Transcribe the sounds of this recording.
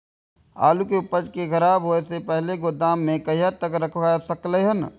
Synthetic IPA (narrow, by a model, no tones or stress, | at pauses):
a̰ːlukeʊpəd͡ʒkekɐɾaːbɦoesepɛɦleɡod̪aːmːẽkɐɦijat̪əkɾɐkʰʋaːjsɐkleɦən